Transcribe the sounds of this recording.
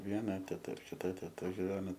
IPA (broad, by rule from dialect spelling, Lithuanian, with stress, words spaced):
ˈʋʲiɛnɐ tʲɛˈtɐ ɪr kʲɪˈtɐ tʲɛˈtɐ ɡʲɪˈʋʲæːnoː